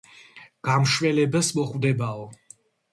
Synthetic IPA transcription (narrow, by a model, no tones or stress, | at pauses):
ɡ̥amʃwɛlɛbasmɔχvd̪ɛbaɔ